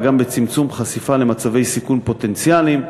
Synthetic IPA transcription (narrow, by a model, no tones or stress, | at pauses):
ɡambe̞t͡simt͡sumχasifale̞mat͡save̞jsikunpo̞t̪e̞nt͡sjalim